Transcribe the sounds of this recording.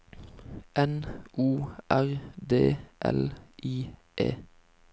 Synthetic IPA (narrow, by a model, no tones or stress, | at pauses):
ʔɛnʔuːʔæʁd̪eːʔɛ̰lʔiːʔḛː